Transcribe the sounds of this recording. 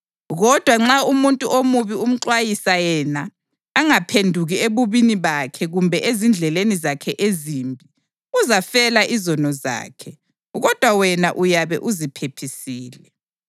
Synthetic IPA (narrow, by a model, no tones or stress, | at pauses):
ɣɔd̥ʱwaŋ͡ǁaumuntʼuʔomuβium̩ǃwajisajɛnaː | ŋapʰendʱuɣieβuβiniβakʰɛɣumbʱɛʔezind͡ɮʱɛlenizakʰɛʔeziːmbʱi | uzafɛlaʔizɔnɔza̰ːkʰɛ | ɣɔd̥ʱwawɛnaʔujaβɛʔuzipʰepʰisiːlɛ